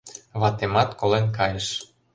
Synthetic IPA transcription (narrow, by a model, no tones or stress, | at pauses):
βɑt̪emɑt̪kolenkɑjəʃ